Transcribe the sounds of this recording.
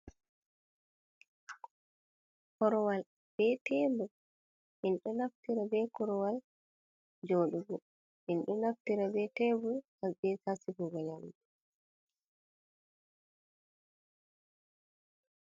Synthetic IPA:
kɔɾɔwal | b̥ɛtɛbu | ʔinɗɔnaftiɾabɛkɔɾɔwal | d͡ʒoːɗuɡɔ | ʔinɗɔnaftiɾabɛtɛːbuhabɛsasibɔɡɔlamdɛ

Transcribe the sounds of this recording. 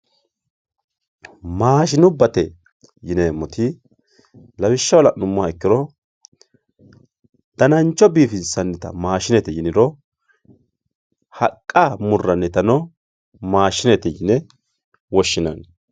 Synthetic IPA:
maːʃɪnʊbːɐt̪ɛ | jɪnemɔt̪ʰɪ | lɐwɪʃːɐwɔlɐnʊmːʊaɛkːɪɾɔ | d̪̥ɐnɐnt͡ʃʼːɔbiːfɪnsɐnːɛt̪ɐ̰maːʃɪnɛt̪ɛjɪnɪɾɔ | hɐkʼːamʊrːɐnːɛt̪ɐnɔ | maːʃɪnɛt̪ɛjɪnɛ | wɔʃːɪnɐn

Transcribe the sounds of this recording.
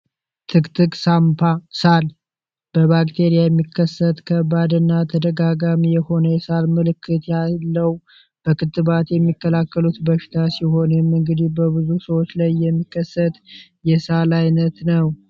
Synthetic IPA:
t̪ʰɨkt̪ʰɨkʼsampʰasal | b̥əβakt̪ʰe̞ɾijajɛmːikʰːəsːət̪kʰəbad̪ɨnːat̪ʰəd̪əɡaɡamijɛho̞nəjɛsalmɨlɨkːɨt̪jalːəw | b̥əkɨt̪ːɨβat̪jɛmːikːəlakːəlut̪bəʃi̥t̪ʰasiho̞nmɨŋɡɨd̪ihbəβɨzusəwot͡ʃlajːɛmːikːəsːət̪jɛsalajnət̪nəw

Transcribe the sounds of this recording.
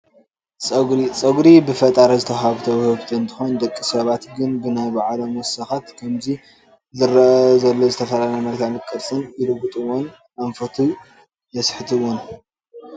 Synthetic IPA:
t͡sʼɐɡɾit͡sʼɐɡɾibɨfɐt̪ʼaɾɐzɨt̪ʰɐɦaβt̪ʰɐβhɨβt̪ʰɨɨnt̪ʰɨ̥xo̞nd̪ɐkʼːisɐβat̪ɡɨnbɨnajbaʕlɐmɔsɐxat̪kʰɐmzi | zɨɾɐʔɐzɐlːozɨt̪ʰɐfɐlalɐmɐɡt̪ʰalɨkʼːɨɾsʼɨnjɪɾɨɡut̪ʼɨwon | aɱfɐt̪ʰu | jɐsħɨt̪ʰɨwon

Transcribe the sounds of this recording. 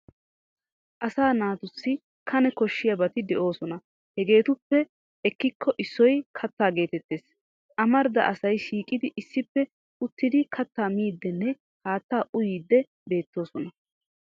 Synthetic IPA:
ʔɐsaːnaːt̪ʊsːɪ | kʰɐnɛkɔʃːɪjɐbɐt̪ɪd̪ɛʔo̞ːsɔnɐ | hɛɡe̞ːt̪ʊpːɛ | ɛkːɪkʰːɔʔɪsːɔjkʰɐt̪ːaːɡe̞ːt̪ɛt̪ːeːs | ʔɐmɐɾd̪ɐ̰ʔɐsɐjʃiːkʼɪd̪ɪʔɪsːɪpːɛ | ʊt̪ːɪd̪ɪkʰɐt̪ːaːmiːd̪ːɛnːɛ | haːt̪ːaːʔʊjiːd̪ːɛ | be̞ːt̪ːo̞ːsɔnɐ

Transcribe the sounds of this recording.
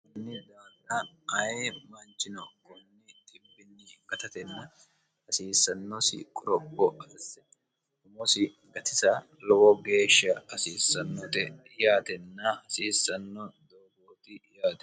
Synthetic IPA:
kʊnːɪd̪aːnːɐɐjemɐnt͡ʃːɪnɔkɔnːɪt̪ɪbːɪnːɪɡ̥ɐt̪ɐt̪ɛnːɐ | hɐsiːsːɐnːɔsɪ̰kʼʊɾɔbːɔʔɐsɛ | ʊmɔsɪ | ɡɐt̪ɪsɐ | lɔwɔɡe̞ːʃːɐɐsiːsːɐnːɔt̪ɛ | jaːt̪ɛnːɐhɐsiːsːɐnːɔd̪oːɡoːt̪ɪjaːt̪ɛ

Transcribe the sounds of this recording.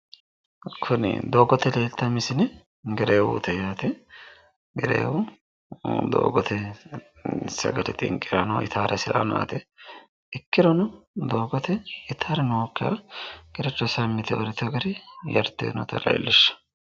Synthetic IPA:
kʰʊnɪ̰d̪oːɡɔt̪ːɛleːlt̪ːɐmɪsɪnɪ | ɡɛɾeːwṵːt̪ɛjaːt̪ɛ | ɡɛɾḛːwʊ | d̪o̰ːɡɔt̪ʰɛ | sɐ̰ɡɐt̪ɛt̪ʼɪ̰ŋkʼːɪɾɐnɔɪ̰t̪ʰaːɾʔɐsɪlʔa̰na̰t̪ɛ | ɪkːɪɾɔnʊd̪o̞ːɡɔt̪ɛɪt̪ʰaːɾɛnoɔkːɪɐ̰ɡɛɾɛt͡ʃːɔsɐmːɪt̪ɛwɔɾɪt̪ɛɡɐɾɪjɐɾt̪ːḛːnɔ̰t̪ɐ̰lɐ̰j̰lːɪʃːɐ̥

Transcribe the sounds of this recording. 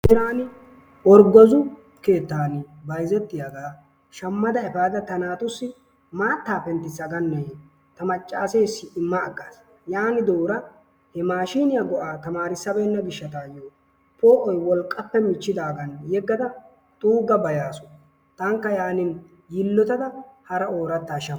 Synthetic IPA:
ɪɾaːnɪ | ɔɾɡɔzʊ | ke̞ːt̪ːaːnɪ | bɐjzɛt̪ːɪjɐɡaː | ʃɐmːɐd̪ɐɛfaːd̪ɐt̪ɐnaːt̪ʊsːɪ | maːt̪ːaːpɛnt̪ːɪsːɐɡɐnːe | t̪ɐmɐt͡ʃʼːaːseːsːɪɪmːɐːɡːaːs | jaːnɪd̪oːɾɐ | hɛmaːʃiːnɪjaɡɔʔaːt̪ɐmaːɾɪsːɐbɛːnːɐbɪʃːɐt̪aːjoː | pʰoːʔɔjwɔlkʼːɐpːɛmɪt͡ʃːɪd̪aːɡɐnjɛɡːɐd̪ɐ | t̪ʼuːɡɐbɐjaːsɔ̥ | t̪ɐŋkːɐjaːnɪn | jɪlːɔt̪ɐd̪ɐhɐɾɐo̞ːɾɐt̪ːaːʃɐ

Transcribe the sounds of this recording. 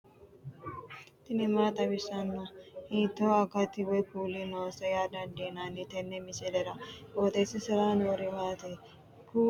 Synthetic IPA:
t̪ɪnɪmaːt̪ʼɐbɪsɐnːɐhiːt̪ːoɐkɐt̪ːɪwɛkuːlɪnoːsɐjaːd̪ɐnd̪eːnanːɪt̪ɛnːɛmɪsɛlɛɾɐboːt̪ʼeːsɪsɪɾaːnwɔɾɪmaːt̪e | ku

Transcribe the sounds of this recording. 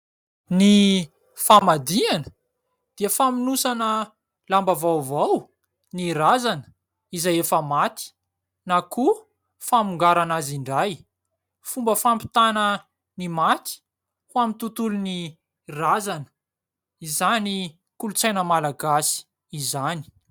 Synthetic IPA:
ni | famad̪ianə̥ | d̪̥iəfaminusanə | lambavawvaw | nirazanə̥ | izajefəmat̪i̥ | naku | famuŋɡaɾanaziɳɖ͡ʐaj | fumbəfampi̥t̪anə | nimat̪i̥ | huamit̪ut̪uluni | razanə̥ | izani | kulut͡sajnəmalaɡasi̥ː | zani̥

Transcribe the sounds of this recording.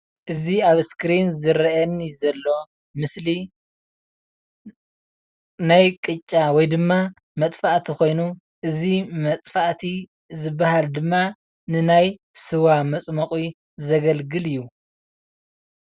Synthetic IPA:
ʔɨziaβskʰɾinzɨɾɐʔɐnizɐlːo̞ | mɨsli | najkʼɨt͡ʃʼːawɔjd̪ɨmːa | mɐt̪ʼfaʔt̪ʰiko̞jnu | ʔɨzimɐt̪ʼfaʔt̪ʰi | zɨbahald̪ɨmːa | nɨnajsɨwamɐt͡sʼmɐkʼi | zɐɡɐlɡɨlɨjːu

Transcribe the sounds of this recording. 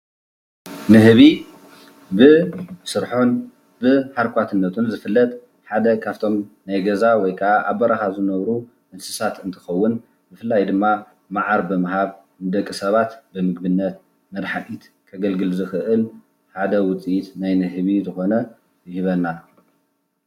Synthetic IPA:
nɨɦβi | bɨsɨɾħon | bɨħaɾkʷat̪ʰɨnːɐt̪ʰunzɨfɨlːɐt̪ʼ | ħad̪ɐkʰaft̪ʰo̞mnajɡɐzawɔjkʰɐaʔaβːɐɾaxazɨnɐβɾu | ʔɨnsɨsat̪ɨnt̪ʰɨ̥xɐwːʊn | bɨfɨlːajd̪ɨmːa | maʕaɾbɨmɨɦaβ | nɨd̪ɐkʼːisɐβat̪bɨmɨɡ̚bɨnːɐt̪̚ | mɐd̪ħaʔit̪ | kʰɐɡɐlɡɨlzɨxɨʔɨl | ħad̪ɐwʊt͡sʼijit̪najnɨɦβizɨxo̞nɐ | jɪhiβɐnːa

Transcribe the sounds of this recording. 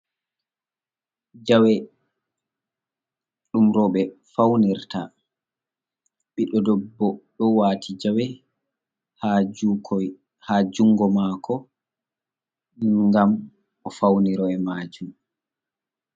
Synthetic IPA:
d͡ʒawɛ | ɗumɾɔːɓɛfawniɾta̰ | ɓiɗɔdɔbːɔɗɔwaːtʰid͡ʒawɛ | ha | had͡ʒuŋɡɔmaːkʰɔ | ŋŋɡam | ɔfawniɾɔɛmaːd͡ʒum

